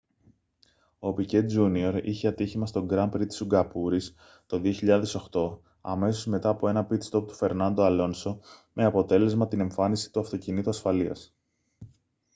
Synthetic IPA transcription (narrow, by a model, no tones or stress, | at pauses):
o̞pice̞t̪̚d͡zunio̞ɾḭçeɐt̪içimɐst̪o̞ɡɾɐmpɾit̪i̥suɡɐpuɾis | t̪o̞ðio̞çiʎɐðe̞so̞xt̪o̞ | ɐ̰me̞so̞zme̞t̪ɐːpo̞e̞nɐpit̪st̪o̞p̚t̪u̥fe̞ɾnɐnd̪oɐlo̞nso̞me̞ɐpo̞t̪e̞le̞zmɐt̪ine̞ɱfɐnisi̥t̪uɐft̪o̞cinit̪uɐsfɐliɐ̰s